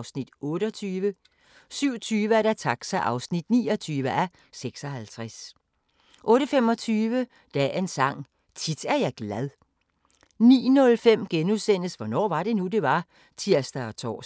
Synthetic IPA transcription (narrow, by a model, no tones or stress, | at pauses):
ʊsnid̥ɔ̽ːɾəɒt͡sʰyːʋə | syʊ̰t͡sʰyːʋəæɐɾ̥æt͡sʰɑ̈ɡ̥sæʔɑ̈ʊsnid̥niːɒt͡sʰyːʋəʔæ | seɡ̥sɒ̽ɦælt͡sʰʁas | ʔɔ̽ːɾəfem̰ɒ̽t͡sʰyːʋə | d̥ɛ̰e̝nsɑ̈ŋ̰ | t͡sʰid̥æɐjɑ̈ɪɡ̥læðˠ | nḭːnɔ̽lfem̰ɡ̥enuðˠsen̰əsʋɒnɒ̰ːʋɑ̈ɾ̥e̝nud̥e̝ʋɑ̈ | t͡sʰiɐsd̥ɐɒt͡sʰɒ̰ː